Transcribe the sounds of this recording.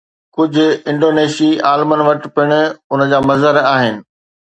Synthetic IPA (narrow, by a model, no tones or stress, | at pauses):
kʊd͡ʑʱʊ̆ɪ̃ɳɖoːneːʃiːaːlmənʋɐʈpɪɽ̃̆ʊnəd͡ʑaːmɐzəɾaːɦɪnɪ̆